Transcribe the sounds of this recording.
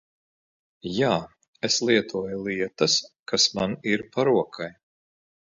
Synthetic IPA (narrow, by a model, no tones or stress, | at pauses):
jaː | eslˠiɛt̪ʰuɔjulˠiɛt̪ɐskasmaniɾpaɾuɔkʰaj